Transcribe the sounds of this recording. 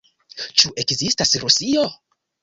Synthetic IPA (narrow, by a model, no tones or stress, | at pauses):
t͡ʃuʔekzistasɾusio